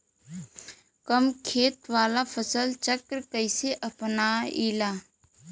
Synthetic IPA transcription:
kəmkʰeːt̪ʋaːlapʰəsəlt͡ʃəkɾkəɪseʔɐpnaiːlaː

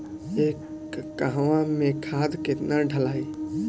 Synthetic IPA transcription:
eːkː | aɦwãmẽkʰaːd̪kɪt̪naɖʱəlaːi

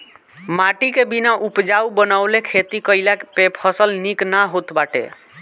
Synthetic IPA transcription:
maʈikebinaʔupd͡ʒawbənaʊlekʰet̪ikəɪlakpepʰəsəlniknaɦot̪baʈḛ

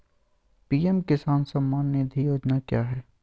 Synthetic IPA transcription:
piːɛmkɪsaːnsɐmːaːnːed̪ʱijoːd͡ʒnakjaːɦɛː

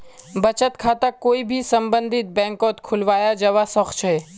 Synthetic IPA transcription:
bɐt͡ʃət̪kʰaːt̪akoːibʱisɐ̃mbə̃nd̪ʱɪt̪̚bɛ̃ːŋkɔːt̪kʰʊlʋaːjad͡ʒɐʋasɐxt͡ʃʰɦɛː

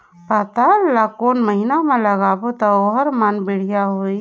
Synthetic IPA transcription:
pət̪alakoːnməɦinamẽləɡaːbot̪ɔoɦəɾmənbɪɽ̤ijaɦoi

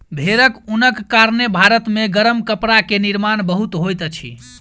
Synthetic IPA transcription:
bʱeɾəkunəkːaɾnebʱaɾət̪meɡəɾəmkəpɾakeniɾmanbəɦut̪ɦojt̪ət͡ʃʰḭ

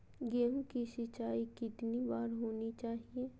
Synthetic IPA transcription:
ɡeːmkiʃɪt͡ʃaːikɪt̪nibaːɾɦoːnit͡ʃaːɦieː

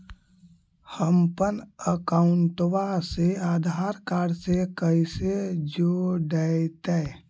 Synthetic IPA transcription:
həmpənəkaʊɳʈwaseaːd̪ʱaːɾkaːɽsekəised͡ʒoɖət̪ɛ

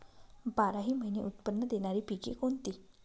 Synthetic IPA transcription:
baɾaɦiːməɦinḛʔut̪pənːəd̪eɽ̃aɾiːpikḛkoɳt̪i

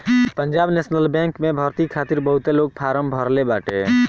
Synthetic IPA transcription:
pəɲd͡ʒaːbneːsnəlbɛ̃ːŋkmẽbʱəɾt̪ikʰaːt̪iɾbəɦut̪eloːɡ̚pʰaːɾəmbʱəɾlebaːʈḛ

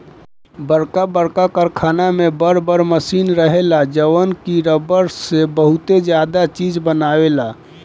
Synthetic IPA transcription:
bəɾkabəɾkakəɾkʰaːnamebəɾbəɾməsinɾəɦelad͡ʒəwənkiɾəbəɾsebəɦut̪ed͡ʒjad̪at͡ʃid͡ʒbənawela

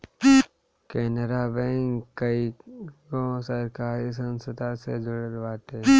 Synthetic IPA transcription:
kɛːnəɾabẽŋkəikõsəɾkaːɾisə̃nsət̪ased͡ʒʊɽəɾʋaːt̪eː

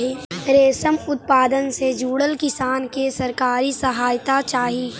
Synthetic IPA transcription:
ɦiɾeːsəmʊt̪̚paːd̪ənsed͡ʒuːɽəlkɪsaːnkesɐɾkaːɾisɐɦaːjt̪at͡ʃaːɦi

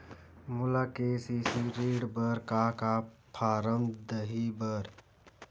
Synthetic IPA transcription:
mʊlakeːsisiɾeːɖbəɾkakapʰaːɾəmd̪əɦibəɾ

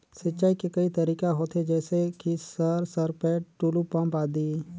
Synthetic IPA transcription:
sɪtːt͡ʃaːikekɐit̪ɐɾiːkaɦoːt̪ɦed͡ʒɛːsekisəɾsəɾpɛːʈulupãmbaːd̪iː

